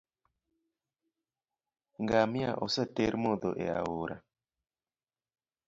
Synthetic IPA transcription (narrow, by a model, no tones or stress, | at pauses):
ŋɡamia̰ʔɔsəteɾmoðoʔḛa̰woɾa̰